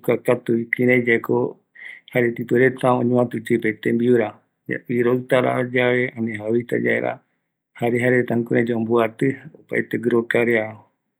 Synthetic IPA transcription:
kakat̪uikĩɾẽd͡ʒaekʰo̰ | haɾet̪ipɨɾet̪aõɲũãt̪ɨt͡ʃɨpet̪ẽmbiuɾa | a̰iɾoɨt̪aɾa̰od͡ʒaβe̞ãnẽɦaβit̪a̰d͡ʒa̰ḛɾʔa̰ | haɾeɦaɾet̪ãkuɾẽd͡ʒombuat̪ɨopa̰et̪eɡɾokaɾeao

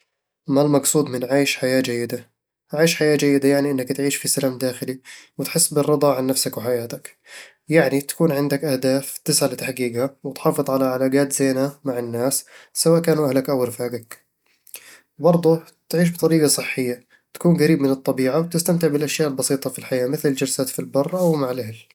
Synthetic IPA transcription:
malmɑɡsˤuːd̪mɪnʕaːjʃħajaːd͡ʒajːɪd̪a | ʕaːjɪʃħajaːd͡ʒajːɪd̪ajaʕniʔɪnːakt̪ʕiːʃfisalaːmd̪aːxɪliwɪt̪ħɪsːbɪrˤːɨd̪ˤɑʕanːafsakwɪħajaːt̪ak | jaʕnit̪ḁkuːnʕɪnd̪akʔahd̪aːft̪ɪsʕalɪt̪aħɡiːɡhawɪt̪ħɑːfɨðˤʕalaʕalaːɡaːt̪z̥eːnhamaʕɪnːaːsːawaːʔkaːnuʔahlakʔawɾfaːɡak | bɑɾˤd̪ˤu | t̪ʕiːʃ̬bɨt̪ˤɑɾiːɡɑsˤɨħːɪjːa | t̪ḁkuːnɡaɾiːbmɪnɨt̪ˤːɑbiːʕawt̪ɪst̪amt̪ɪʕbɪlʔaʃjaːʔɪlbɑsiːt̪ˤɑfilħajaːmɪθlɪld͡ʒalsaːt̪filbɑrˤːʔawmaʕɪlʔahl

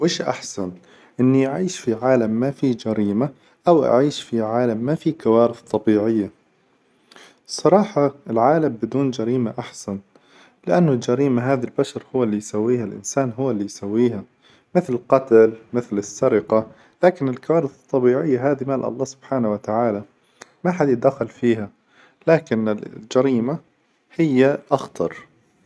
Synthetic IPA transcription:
wɪːʃʔa̰ħsan | ʔɪnːiʔaʕiːʃfiʕaːlamːafid͡ʒaɾiːma | ʔawʔa̰ʕiːʃfiʕaːlamːafiːkawaːɾɪθt̪ˤːɑbiːʕɪjːa | sˤɑɾˤɑːħɑɪlʕaːlambɪd̪uːnd͡ʒaɾiːmaʔaħsan | lɪʔanːʊld͡ʒaɾiːmaɦaːðalbaʃɑɾˤhʊwːalːijsawːiːhalʔɪ̰nsaːnɦʊwːalːijsawːiːha | mɪθlɪlqɑt̪almɪθlɪsːaɾɪqa | laːkɪnɪlkawaːɾɪθɨt̪ˤːɑbiːʕɪjːaɦaːðimaːlʔɑ̰lˤːɑːsʊb̥ħaːnawat̪aʕaːla | maħad̪jɪd̪axɪlfiːha | laːkɪnɪld͡ʒaɾiːma | hɪjːaʔɑxt̪ɑɾˤ

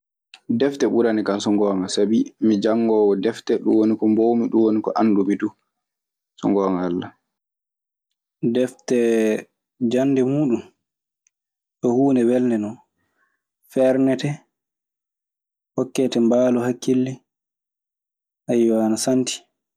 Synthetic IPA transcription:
dɛftɛɓuɾanikansɔŋɡɔːŋasabimid͡ʒaŋːɡɔːwɔdɛftɛɗṵwonikɔmbowmiɗunwonikɔʔandumidu | sɔ̰ŋɡɔːŋaːlːa | dɛftɛ | d͡ʒanːdɛmuːɗum | ɗɔhuːnɛwɛldɛnɔ | fɛɾnɛtɛ | hɔkːɛtɛmbaːlɔhakːilːi | ʔajwaːnasanti̥

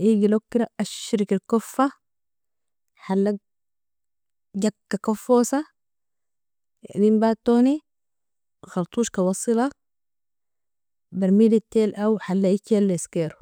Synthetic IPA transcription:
ʔiːɡilokːiɾaʔaʃɾikalkofːa | ħalːaɡ̚ | ɟakkːakofːoːsa | ɡimbaːt̪ːoːni | xɑlt̪ˤuːʃkawɑsˤilɑ | baɾmiːlit̪ːeːlʔawħalːaʔikalːeskeːɾu

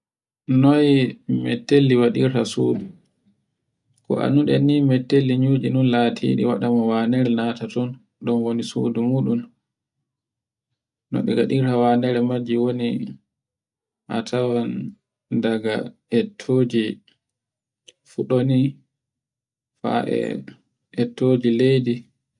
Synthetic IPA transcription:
nɔjmɛtːelːiwaɗiɾtasṵːdu | kɔ̰ʔa̰nuɗɛnimɛtːelːiɲud͡ʒinunlatʰḭːɗḭwaɗamɔwanɛɾɛnatatɔn | ɗɔnwonisṵːdumuːɗun | nːɔ̰ɓɛɡaɗiɾawanɛɾɛmad͡ʒiwoni | ʔa̰tʰawan | daɡa̰ | ɛtʰːoːd͡ʒi | fuɗoni | fa̰ʔɛ̰ | ɛtːod͡ʒilejdi

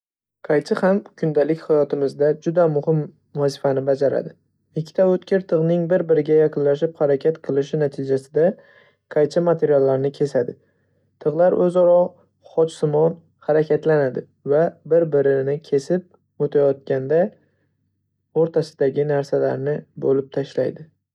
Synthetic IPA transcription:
qʰɑjt͡ʃ̪ʰɪhamkʰʊnd̪alɪkʲhajɒt̪ʰɪmɪzd̪ad͡ʒʊd̪amʊhɪm | vazɪfanɪbad͡ʒaɾa̰d̪ɪ | ɪkʲʰːɪ̥t̪ʰaɵt̪kʲɪɾt̪ʰɨʁnɪŋbɪɾbɪɾɪɡʲajaqʰɨnlaʃɪphaɾakʲʰat̪qʰɨlˠɪʃɪnat̪ʰɪd͡ʒasɪd̪a | qʰɑjt͡ʃʰɪmat̪ʰe̞ɾijalːaɾnɪkʲʰe̞sad̪ɪ | t̪ʰɨʁlˠaɾʔɵzɒɾɒ | χɒt͡ʃsɪmɒn | haɾakʲʰat̪lanad̪ɪ | vabɪɾbɪɾɪnɪkʲʰe̞sɪp̚ | ot̪ʰajɒt̪̚kʲand̪a | oɾt̪ʰasɪd̪aɡʲɪnaɾsala̰ɾnɪbolɪp̚t̪ʰaʃla̰jd̪ɪ

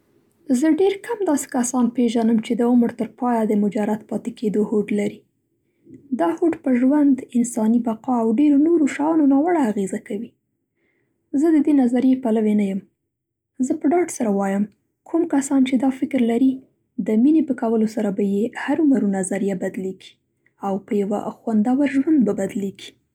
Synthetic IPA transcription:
zəɖeɾkʰamd̪ɑse̥kasɑnpeʒanəmt͡ʃed̪əʊməɾt̪əɾpɑjad̪əmʊd͡ʒaɾat̪̚pɑt̪eked̪ohoʈlaɾi | d̪ɑhoʈpəʒwand̪ɪnsɑnibaqɑawɖeɾonoɾoʃɑjɑnonɑwəɽaːɣezakawi | zəd̪əd̪enazaɾijepalawenajəm | zəpəɖɑʈsaɾawɑjəm | kʰumkasɑnt͡ʃed̪ɑfɪkɾlaɾi | d̪əminepəkawəlosaɾabajehaɾʊmaɾunazaɾijabad̪leɡi̥ | awpəjawa̰xwand̪awaɾʒwand̪̚babad̪leɡi̥

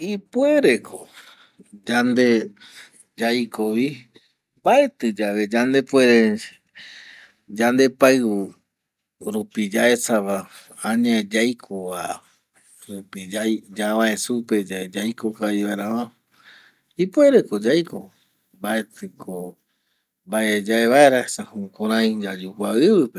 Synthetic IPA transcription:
ipueɾekʰo | d͡ʒand̪e | d͡ʒajkoʋi | bae̞t̪ɨd͡ʒaʋe̞d͡ʒand̪epueɾe | d͡ʒand̪e̞paɨu | ɾupid͡ʒaesaβa | ãɲãd͡ʒajkʰoβa | ɾupid͡ʒajd͡ʒaβãẽsupe̞d͡ʒaed͡ʒajkokaiβaeɾaβã | ipue̞ɾeko̞d͡ʒajko | mbae̞t̪ɨkʰo | mbaed͡ʒaeβaeɾahesahõkõɾ̃ãj̃d͡ʒad͡ʒukuaɨβɨpe

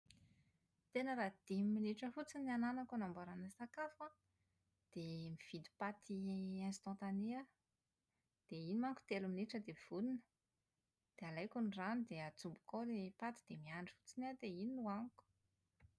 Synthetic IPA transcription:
t̪enəɾad̪̥imminiʈ͡ʂəfut͡siniananakanambaɾanəsakafa | d̪̥emiv̥id̪i̥pat̪ʰiɛ̃nst̪ɑ̃t̪aneə | d̪̥einimaŋku̥t̪elumineʈ͡ʂəd̪ev̥ulinə̥ | d̪̥ealajkunranid̪eat͡sumbu̥kod̪epat̪id̪̥emiaɳɖ͡ʐi̥fu̥t͡sinad̪eininuaŋku̥

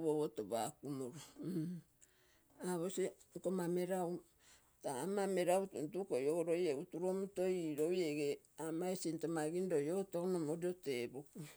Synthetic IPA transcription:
βoβotoba̰kumoɾo | aβosikomameɾaw | taːmameɾautntukojoɾo̞jeutuɾo̞muto̞jɾojeɡeamaesintomaɡindojotonomodioteboku

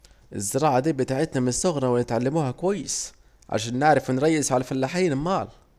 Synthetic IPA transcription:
ʔɪzːɪɾˤɑːʕad̪iːbɪt̪aːʕɪt̪næmɪnɪsːʊɣɾˤɑwɪnɪt̪ʕalːɪmuːhækwæjːɪs | ʕa̰ʃæːnːɪʕɾˤɑfwnɾˤɑjːɪzʕalæfælːaħiːnɪlmɑːl

